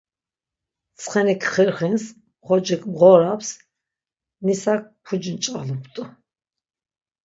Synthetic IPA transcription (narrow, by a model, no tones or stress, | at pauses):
t̪t͡sʰχɛnɛkʰχɛɾχins | χɔd͡ʒɛkʰʼbʁɔɾaps | nisak̚pʰud͡ʒnt͡ʃʼalupʰt̪ʼ